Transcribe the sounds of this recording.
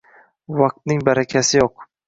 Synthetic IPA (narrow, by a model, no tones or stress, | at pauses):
vɑq̚t̪̚nɪŋbaɾakʲʰasɪjoq